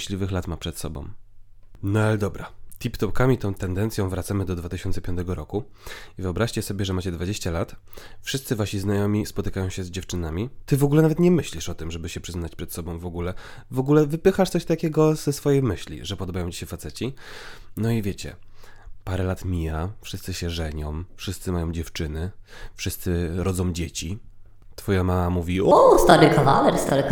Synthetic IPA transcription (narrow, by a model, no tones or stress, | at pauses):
ɕlʲivɘxlat̪mapʂɛt̪sɔ̰bɔ̰̃w̃ | nɔalɛd̪ɔbɾat̪ʲipt̪ɔpkamʲit̪ɔ̃w̃t̪ɛnd̪ɛnt̪sʲjɔ̃w̃vɾat̪samɘd̪ɔd̪vat̪ɘɕɔnt̪sɛpʲjɔnt̪ɛɡɔɾɔku | ivɨɔbɾaɕt͡ɕɛsɔbʲɛʐɛmat͡ɕɛd̪vad͡ʑeɕt͡ɕalat̪fʂɘst̪sɘvaɕiznajɔmʲispɔt̪ɘkajɔ̃w̃ɕɛzd͡ʑɛft͡ʂɘnamʲit̪ɘvɔɡulɛnavɛt̪ɲɛmɘɕlʲiʂɔt̪ɘmʐɛbɘɕɛpʂɘznat͡ɕpʂɛt̪sɔbɔ̃w̃vɔɡulɛvɔɡulɛvɘpɘxaʂt̪sɔɕt̪akʲɛɡɔzɛsfɔjejmɘɕlʲḭʐɛpɔd̪ɔbajɔ̃w̃t͡ɕiɕɛfat̪sɛt͡ɕinɔivʲjet͡ɕɛ̰ | paɾɛlat̪mʲijafʂɘst̪sɘɕɛʐɛɲɔ̃m̃fʂɘst̪sɘmajɔ̃w̃d͡ʑɛft͡ʂɘnɘfʂɘst̪sɘɾʔɔd̪zɔ̃w̃d͡ʑet͡ɕi | t̪fɔjamamamuvʲiɔɔst̪aɾɨkava̰lɛɾst̪aɾɨk